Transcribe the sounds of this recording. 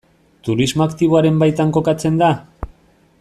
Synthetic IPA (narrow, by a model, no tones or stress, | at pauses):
t̪uɾizmoakt̪iβoaɾe̞mbajt̪aŋko̞kat͡se̞nd̪a